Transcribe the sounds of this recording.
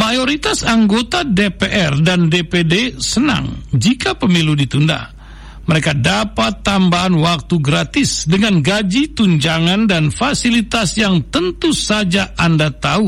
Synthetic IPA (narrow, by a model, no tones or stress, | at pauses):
majoɾit̪asaŋɡot̪adepeʔɛrdandepedesəna̰ŋd͡ʒikapəmiludit̪unda̰h | məɾekadapat̪ːambaɦanwak̚t̪uɡɾat̪ɪsdəŋanɡad͡ʒit̪uɲd͡ʒaŋandanfasilit̪asjaŋt̪ənt̪usad͡ʒaʔandat̪au